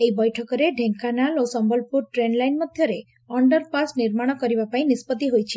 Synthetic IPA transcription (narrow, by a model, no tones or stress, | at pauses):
eibɔjʈʰɔkɔɾeɖʱeŋkanalosɔmbɔlpuɾʈɾenlajnmɔd̪ʱjɔɾe | ɔɳɖəɾpasniɾmaɽ̃ɔkɔɾibapaĩnispɔd̪iɦojt͡ʃʰe̥